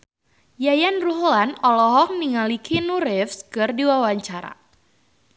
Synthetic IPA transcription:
jajanruɦlanɔlɔɦɔŋ̚niŋalikʰinuɾɪfskɨrdiwawaɲt͡ʃaɾa̰

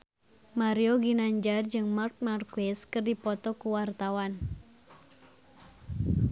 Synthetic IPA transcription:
maɾioɡinaɲd͡ʒard͡ʒɨŋmark̚markuɛskɨrdipɔt̪ɔkuwart̪awan

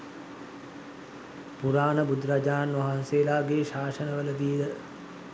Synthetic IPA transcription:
puɾaːnəbud̪ɾad͡ʒaːnʋaɦanseːlaːɡeːʃaːʂənəʋələd̪ilə

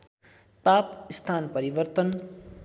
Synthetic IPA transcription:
papist̪ʰanpʌɾibʌrt̪ʌn

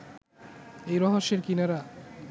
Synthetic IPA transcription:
ejɾɔɦoʃeɾkinaɾa

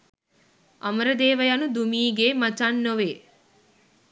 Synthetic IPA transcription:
ɐmɐɾɐd̪eːʋɐjɐnud̪umiːɡeːmɐt͡ʃanːoʋeː

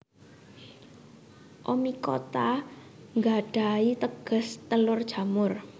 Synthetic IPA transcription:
ʔomikot̪aŋɡaɖ̥a̤it̪əɡ̥ə̤st̪əlʊrd̥ʒ̥a̤mʊr

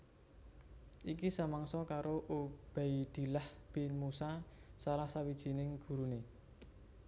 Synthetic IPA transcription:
ʔikisamaŋsɔkaɾoʔob̥a̤id̪̥i̤lahpinmusasalahsawid̥ʒ̥i̤nɪŋɡ̥ṳɾune

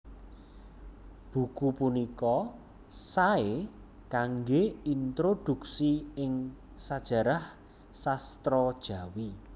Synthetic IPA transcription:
b̥ṳkupunikɔ | sae | kaŋɡeint̪ɾod̪̥ṳksiɪŋ | sad̥ʒ̥ä̤ɾah | sast̪ɾɔd̥ʒ̥ä̤wi

